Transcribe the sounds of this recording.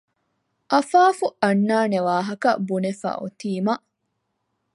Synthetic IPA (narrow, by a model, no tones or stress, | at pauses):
ʔɐfaːfuɐnːaːneʋaːɦɐkɐbunefa̰ːʔo̰t̪iːmɐʔ